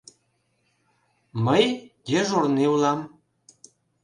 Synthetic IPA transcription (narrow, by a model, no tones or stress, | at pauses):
məjdʲeʒorneulɑm